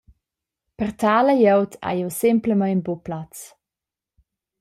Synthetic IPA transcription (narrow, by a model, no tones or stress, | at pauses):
pərt̪ʰaːləjɛwt̪ʰa̰jɛwsɪmpləmajnboplat͡s